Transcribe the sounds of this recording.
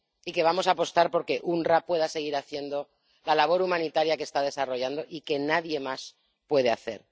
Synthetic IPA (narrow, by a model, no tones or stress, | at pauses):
ike̞βamo̞saːpo̞st̪aɾpo̞ɾke̞ʔunrapwe̞ð̞ase̞ɣ̞iɾaθje̞nd̪o̞ | lalaβ̞o̞ɾumãnit̪aɾjakest̪að̞e̞saro̞ʝand̪o̞ʔike̞naðje̞mas | pwe̞ð̞e̞aθe̞̰ɾ